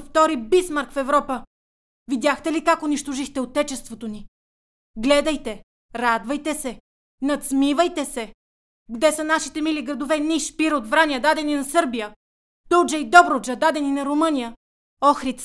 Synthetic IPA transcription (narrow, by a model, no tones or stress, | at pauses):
ft̪ɔɾibismaɾkfɛvɾɔpə | vid̪ʲjaxt̪ɛlikakʊniʃt̪oʒixt̪ɛot̪ɛt͡ʃɛst̪vot̪oni | ɡlɛd̪əjt̪ɛ | ɾad̪vɐjt̪ɛsɛ | nɐt̪smivəjt̪ɛsɛ | ɡd̪ɛsənaʃit̪ɛmiliɡɾɐd̪ovɛniʃpiɾot̪vɾanijəd̪ad̪ɛninɐsɤɾbijə | t̪ɔd͡ʒɐid̪ɔbɾod͡ʒəd̪ad̪ɛninɐɾomɤnijə | ɔxɾit̪s